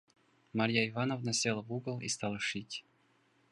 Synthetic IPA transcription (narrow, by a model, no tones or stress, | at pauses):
maɾʲjaɪvanovnɐsʲelˠəvuɡəlˠḭst̪alˠəʂɨtʲ